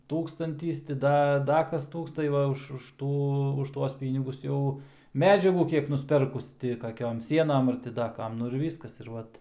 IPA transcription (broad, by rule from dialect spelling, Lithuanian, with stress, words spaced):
ˈtuːkstɐnʲtʲiːs tʲɪ ˈdɐ ˈdɐ ˈkɐs ˈtuːks tɐɪ ˈʋɐ ʊʃ ʊʃ ˈtuː ˈtuɔs ˈpʲiːnʲɪɡʊs ˈjɛʊ ˈmʲæːd͡ʒʲɛɡuː ˈkʲiɛk nʊsʲˈpʲɛrkʊs ˈtʲɪ kɐˈkʲoːm ˈsʲiɛnɐm ɐr tʲɪ ˈdɐ ˈkɐm ˈnʊ ɪr ˈʋʲiːskɐs ɪr ˈʋɐt